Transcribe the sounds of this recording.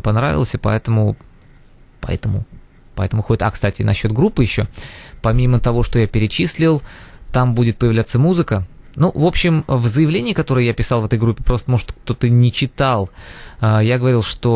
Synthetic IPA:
pɐnɾa̰vʲɪ̰lˠəsʲɨpɐ̰ɛt̪əmʊ | pɐ̰ɛ̰t̪əmʊ̰ | pɐɛt̪əmʊxoɪt̪akst̪atʲɪnɐɕːo̞t̪̚ɡɾupːɨjɪɕːo̞pɐmʲimət̪ɐvo̞ʂt̪ojapʲɪɾʲɪt͡ɕisʲlʲɪlˠt̪ambudʲɪt̪̚pəjɪvlʲat̪səmuzɨkənuvo̞pɕːɪmvzəjɪvlʲenʲɪːkɐt̪o̞ɾɨjəjapʲɪsɑlˠvɛt̪əjɡɾupʲːɪpɾo̞st̪əmo̞ʐɨ̥t̪ək̚t̪o̞t̪ənʲɪt͡ɕɪt̪alˠəjaɡəvɐɾʲilˠʂt̪o

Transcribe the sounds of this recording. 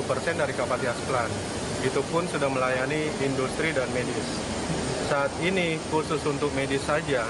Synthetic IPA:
upərsɛndaɾikapat̪iasplan | it̪upʊnsudahməlajaniːndust̪ɾidanmedɪsː | aːt̪inikusʊsunt̪ʊk̚medɪsad͡ʒa

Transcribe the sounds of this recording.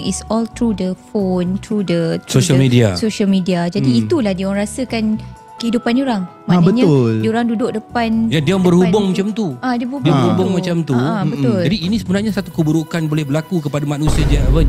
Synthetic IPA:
ŋisɔlt̪ɾudəfont̪ɾudət̪soəmidiasoʃəlmidiad͡ʒadiːt̪ulahdioɾaŋɾasəkan | kəhidupanioɾaŋmãbəɲaʊldioɾaŋdudʊk̚dəpanjadiambərhubʊŋmat͡ʃamt̪uadabəubdiabəɾhubʊŋmat͡ʃamt̪uabət̪ʊd͡ʒladiːnĩsəbənarɲasat̪ukəbuɾokanbolɛhbəɾlakukəpadamanusiad͡ʒavən

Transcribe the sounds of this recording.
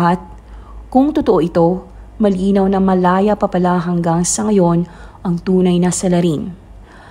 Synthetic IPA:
ɦat̪̚ | kʊŋt̪ʊt̪oʔoʔɪt̪o̞mɐliːnɐwnɐmɐlaːjɐpɐpɐlaɦɐŋɡaŋsɐŋɐjo̞nʔɐŋt̪uːnɐjnɐsɐlɐɾin

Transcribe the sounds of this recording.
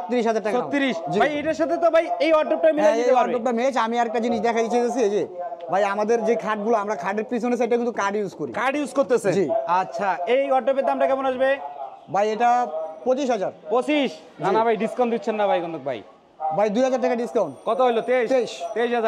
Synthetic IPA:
ot̪ːiɾiʃɦad͡ʑaɾʈakʃoat̪ːiɾiʃd͡ʑibajejʈaɾʃat̪ʰet̪obʱajejɔɾɖop̚ʈajmilaieepaɔeɖop̚ʈamet͡ɕamiaɾɛk̚ʈad͡ʑiniʃd̪ɛkʰaj̪it͡ɕʰet̪esʰied͡ʑebʱajamad̪eɾd͡ʑekʰaʈ̚ɡuloamɾakʰaʈeɾpɾis̬ones̬ʰeejʈak̬int̪ukaɾɖjuskoɾḭkaɖjuskoɾt̪esʰed͡ʑiatːɕʰaejɔɾɖop̬eɾd̪amʈakɛbonaʃbebʱajeʈapot͡ɕiʃɦad͡ʑaɾpot͡ɕiʃ | d͡ʑnanabʱajɖiskaw̃nʈd̪itːɕʰenːabʱajɡɔnd̪ok̚bʱa̰j | bʱajd̪ujɦad͡ʑaɾʈakaɖiskaw̃nkɔt̪oɦojlot̪eeiʃt̪eiʃɦaaɾ

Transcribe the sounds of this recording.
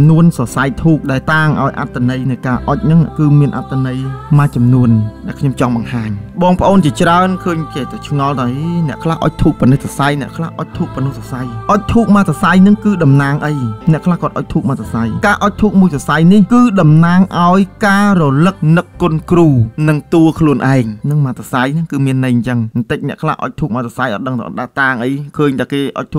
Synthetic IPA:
nuənsɑsajt̪ʰuːp̚ɗaɛlt̪aːŋʔaɔjʔa̰t̪ʰːanəjnɨjkaːʔoc̚nɨŋʔkɨːmiənʔa̰t̪ʰːanəjmaːt͡ɕɑmnuənɗaɛlkʰɲomt͡ɕɑŋɓɑŋhaːɲɓɑːŋpə̆ʔoːnt͡ɕiət͡ɕraənkʰəːɲkeːt̪awt͡ɕʰŋɑlt̪aɔɦinɛ̆əʔkʰlahʔo̰c̚t̪ʰuːk̚pɔnɨt̪sasajnɛ̆əʔkʰla̰hʔoc̚t̪ʰuːk̚pɔnɨhsɑsajʔoc̚t̪ʰuːk̚maːsasajnɨŋkɨːɗɑmnaːŋʔəjnɛ̆əʔkʰlahkŏət̪ʔɑːc̚t̪ʰuːk̚maːt̪ʰasajkaːʔɑc̚t̪ʰuːk̚muəjsasajnihkɨːɗɑmnaːŋʔaɔjkaːrɔlɨk̚nɨkːʊnkruːnɨŋt̪uəkʰluənʔaɛŋnɨŋmaːt̪ʰasajnɨŋkɨːmiənːəjɲt͡ɕəŋt̪əc̚nɛ̆əʔkʰla̰hʔɔ̰ːc̚t̪ʰuːk̚mat̪sʰasajʔɑ̰t̪̚ɗəŋt̪ʰa̰ʔt̪̚ɗat̪aːŋʔəjkʰəːɲt̪ʰakeːʔʔɑ̰c̚t̪ʰuː

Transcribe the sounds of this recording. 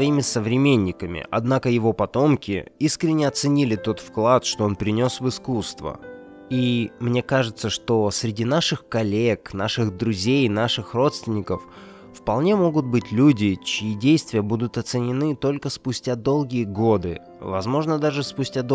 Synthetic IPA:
ɐimʲɪsəvɾʲɪmʲenʲːɪkəmʲɪ̰ʔɐ̰d̪nakəjɪvo̞pɐt̪o̞mkʲɪ̰iskɾʲɪnʲːɪɐt̪sɨnʲilʲɪt̪o̞t̪fklˠat̪ʂt̪o̞onpɾʲɪnʲo̞svɨskust̪və̰ | imnʲe̞kaʐɨt̪səʂt̪o̞sɾʲɪdʲin̪aʂɨxkɐlʲeknaʂɨxd̪ɾʊzʲejnaʂɨxro̞t̪st̪vʲɪnʲɪkəfː | pɐlˠnʲe̞mo̞ɡʊt̪̚bɨtʲlʲudʲɪt͡ɕɪidʲejst̪vʲɪjəbud̪ʊt̪ɐt̪sɨnʲɪnɨt̪o̞lʲkəspʊsʲtʲad̪o̞lˠɡʲɪjəɡo̞d̪ɨ | vɐzmo̞ʐnəd̪aʐɨspʊsʲtʲad̪

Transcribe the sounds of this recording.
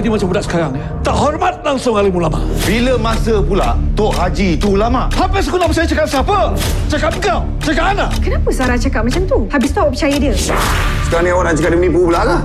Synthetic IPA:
t̪imat͡ʃambudaʔsə̥kaɾaŋət̪aʔhɔrmat̪̚laŋsʊŋaləmulama̰ʔbiləmasəpulaʔt̪oʔhad͡ʒit̪ulamaʔhapəskulapəsajət͡ʃakap̚sapət͡ʃakap̚əɡaw | t͡ʃakaʔanlakənapəsaɾat͡ʃakap̚mat͡ʃamt̪uhabist̪uapət͡ʃajədiə | sə̥kaɾaŋniɾat͡ʃakaʔ̚dənipubəlala

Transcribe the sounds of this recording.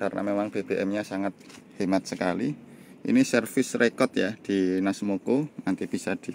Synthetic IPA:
karnʔa̰memaŋb̥eb̥e̤ʔɛmɲasaŋat̪̚hemat̪̚səkaliʔḭnisərfɪsrekɔt̪jad̪̥i̤nasmokonant̪ib̥i̤sad̪̥i̤

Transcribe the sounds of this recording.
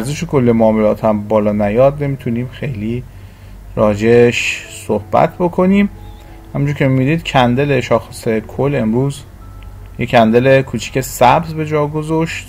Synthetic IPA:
æɾzeʃekʰo̞lːemoɔːmelɒːt̪ʰæmbɒːlɒːnæjɒːd̪ne̞miːt̪ʰuniːmxe̞jliː | ɾɒːd͡ʒe̞ʃ | sohb̥æ̰t̪ʰbo̞kʰo̞niːm | hæmund͡ʒuɾcʰemid̪iːd̪cʰænd̪eleʃɒːxesekʰole̞mɾuːz | jecʰænd̪elekʰuːt͡ʃʰi̥cʰe̞sæbzbe̞d͡ʒɒːɡo̞zoʃt̪

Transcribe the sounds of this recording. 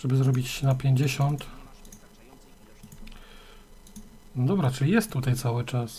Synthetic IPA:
ʐɛbɘzɾɔbʲit͡ɕːɛnapʲjeɲd͡ʑeɕɔnt̪ | d̪ɔbɾat͡ʂɘlʲijɛst̪ːut̪ajt̪sawɘt͡ʂas

